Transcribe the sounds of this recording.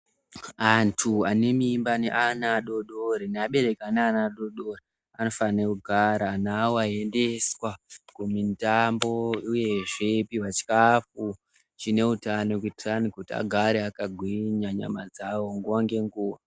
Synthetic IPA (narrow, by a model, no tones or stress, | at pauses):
antʰuane̞mimbaneʔanaɗoɗoɾineaɓe̞ɾe̞kaneanaɗo̞ɗori | ano̞faanekuɡʱaɾanawoae̞nde̞swakumintambo̞uje̞ʐe̞piʋat͡ʃi̥kafu | t͡ʃine̞utanok̬itiranikutia̰ɡʱaɾeakaɡʱwiɲaɲa̰mad͡zawo̞ŋɡuaŋɡe̞ŋɡuːwa